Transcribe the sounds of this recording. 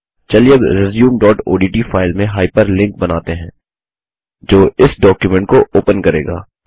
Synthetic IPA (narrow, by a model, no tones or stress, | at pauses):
t͡ʃɐliəbɾɪzjuːmɖɔːʈo̰ːɖiːʈiːfʰaːɪlmẽɦaːɪpəɾlɪ̃ŋk̚bɐnaːt̪eɦɛ̃ː | d͡ʒoːʔɪsɖɔːkjumɛ̃ɳʈ̚koʔoːpənkɐɾḛːɡa̰ː